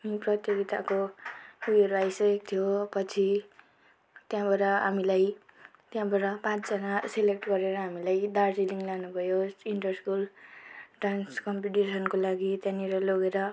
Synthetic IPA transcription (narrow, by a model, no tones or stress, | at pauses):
amiprʌt̪jʌɡit̪akoujʌɾuajsʌʌk̚t̪ʰjopʌt͡sʰi | t̪jãbʱʌɾʌɦamilaj | t̪jãbʱʌɾʌpãt͡sd͡zʌnaselek̚ʈɡʌɾeɾʌɦamilajd̪arsiliŋlanubʱʌjosiɳʈʌrskul | ʈranskʌmpiʈisʌnkolaɡit̪jãniɾʌloɡeɾʌ